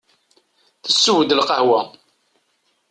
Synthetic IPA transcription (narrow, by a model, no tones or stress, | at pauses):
θəsːəwəd̪əlqəhwæ